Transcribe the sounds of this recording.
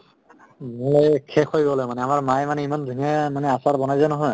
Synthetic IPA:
mokʰɛkʰojɡɔlojmanɛamaɹmajmanɛimandʱiŋɛmanɛasaɹbɔnajzanɔɦɔj

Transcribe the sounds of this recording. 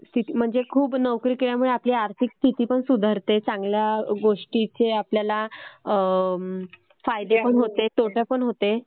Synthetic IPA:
st̪ʰit̪im̤əɳd͡zekʰuːbnəʋkɾiːkeɭjamuɭeapliːaɾt̪ʰikst̪ʰit̪iːpəɳsud̪ʱəɾt̪et͡saŋɡljaɡoʂʈit͡ɕeapljala | fajd̪epəɳɦot̪et̪oʈʰjapəɳɦot̪e

